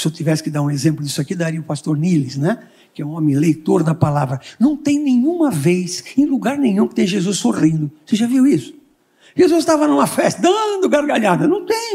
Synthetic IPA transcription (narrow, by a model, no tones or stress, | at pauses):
sɪewt̪ivɛsɪ̥kɪd̪aɾũezẽmplʊd̪isʊakid̪aɾiɐʊpast̪oɾnilɪsnɛ | kɪɛũõmɪ̃lejt̪oɾd̪ɐpalavɾɐnɐ̃w̃t̪ẽj̃nẽj̃ũmɐvejsẽj̃luɡaɾnẽɲ̃ũkɪ̥t̪ẽj̃ʒezusːoʁĩnd̪ʊseʒaviwisʊ̥ | ʒ̥ezuzt̪avɐnũmɐfɛst̪ɪd̪ɐ̃d̪ʊɡaɾɡaʎad̪ɐnɐ̃w̃t̪ẽj̃